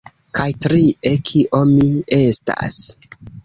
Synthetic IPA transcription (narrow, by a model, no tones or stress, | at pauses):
kajtɾiekʰiʔomiesta̰s